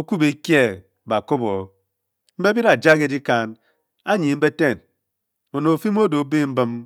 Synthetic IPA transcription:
o˦ku˦be˨kje˦˨ | ba˨ko˦bo˨˦ | m̩˦be˦bi˦ɾa˨d͡ʒa˦ke˦di˦ka˨n | a˦ɲi˨m̩˦be˦te˦˨n | o˨no˨fi˦m˦o˦do˨˦be˦m̩˦bɨ˦m

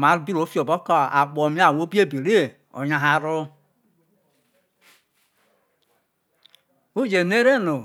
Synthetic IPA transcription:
ma˨˦ɾbi˦ɾo˨˦fo˨bo˦kɔ˦a̰˨ɡ͡bo˨mi˦a˦˨wo˦bi˦e˦˨bi˨ɾe˦˨ | o̰˨ɲa˨ɦa˦ɾo˦ | u˦d͡ʒe˨ne˦ɾe˦no˨

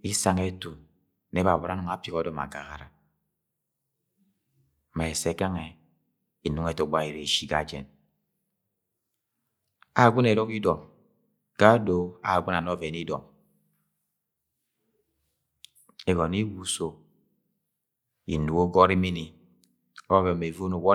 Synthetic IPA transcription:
i˦sa˨ŋe˦tu˨ | ne˦ba˨bɔ˨ɾa˨˦nu˨ŋa˦pi˨kɔ˦dɔ˨ma̰˨ɡa̰˨ɣa̰˨ɾa̰˨ | ma˨e˨se˦ka˦ŋe˨ | i˨nu˦ŋe˨to˨ɡ͡ba˦i˨ɾe˨ʃi˦ɡa̰˨˦d͡ʒɛ̰˨n | a˨ɡʷu˦ne˨ɾɔ˦ki˦dɔ˨m | ka˦do˨˦a̰˨ɡʷu˦na˨nɔ˦ve˨ni˦dɔ̰˨m | e˨ɡɔ˨ni˦wu˦so˨ | ḭ˨n̩˨du˨˦o˦ɡɔ˦ɾi˦mi˦ni˨ | ɔ˦ve˨me˨vo˦no˨wɔ˦

